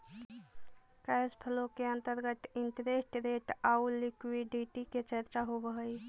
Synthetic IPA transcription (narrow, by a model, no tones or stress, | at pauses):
kaspʰəlokeənt̪əɾɡət̪int̪əɾeʈɾeʈaulikwiɖiʈiket͡ʃʰet̪ɾaɦobəɦəj